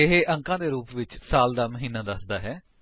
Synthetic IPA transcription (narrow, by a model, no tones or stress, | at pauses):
ɪɦeːʔə̃ŋkãːd̪eːɾuːpʋɪt͡ʃsaːld̪aːməɦiːnaːd̪əsd̪aːɦɛː